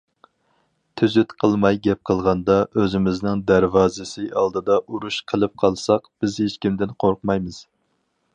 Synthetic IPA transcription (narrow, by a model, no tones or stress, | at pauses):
t̪ʰyzyt̪qʰəlˠmɑjɡʲɛp̚qʰəlˠʁɑnd̪ɑøzɪmɪznɪŋd̪æɾvɑːzɨsɪɑlˠd̪ɨd̪ɑʔuɾuʃqʰəlˠɨp̚qʰɑlˠsɑqb̥ɪzhet͡ʃkʲimd̪ɪnqʰoɾqmɑjmɨz̥